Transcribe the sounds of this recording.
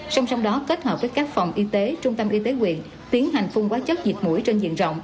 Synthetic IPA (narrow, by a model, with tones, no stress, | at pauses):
sa˧wŋ͡msa˧wŋ͡mɗɔ˨˦ke˦˥t̚həː˨˩p̚vəː˨˦jkaː˦˥k̚fa˨˩wŋ͡mʔi˧t̪e˨˦t͡ɕʊ˧ŋ͡mt̪ə˧mʔi˧t̪e˨˦kwḭ˧˨ən | t̪i˨˦ənɦa˨˩jŋ̟fʊ˧ŋ͡mkwaː˨˦t͡ɕə˦˥t̚zi˨˩t̚mṵ˧˩jt͡ɕe˧nzḭ˧˨nzə̰˧˨wŋ͡m